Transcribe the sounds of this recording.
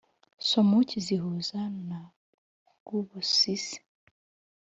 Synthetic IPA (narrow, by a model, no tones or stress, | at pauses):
somuciziɦuzana | ɡ̥uβosis